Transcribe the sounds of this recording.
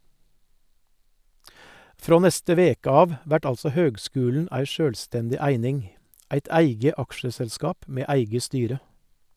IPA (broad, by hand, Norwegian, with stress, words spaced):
ˈfɾoː ˈnɛstə ˈʋeːkə ˈɑːʋ ˈʋæʈ ˈɑlsɔ ˈhøːɡˌskʉːln̩ ˈæɪ ˈʃøːlˌstɛndɪ ˈæɪnɪŋ ˈæɪt ˈæɪɡə ˈɑkʃəsɛlˌskɑːp ˈmeː ˈæɪɡə ˈstyːɾə